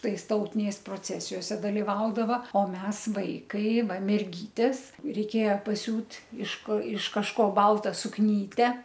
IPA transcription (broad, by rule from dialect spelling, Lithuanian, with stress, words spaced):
ˈtɐɪs ˈtɐʊtʲɪnʲɛɪs proːˈt͡sʲæːsʲɪjoːsʲɛ dɐlʲɪˈʋɐʊdɐʋɐ oː ˈmʲɛs ˈʋɐɪkɐɪ ˈʋɐ mʲɛrʲˈɡʲiːtʲeːs rʲɛɪˈkʲeːjɛ pɐˈsʲuːtʲ ɪʃ koː ɪʃ kɐʃˈkoː ˈbɐlˠtɐ sʊkˈnʲiːtʲɛ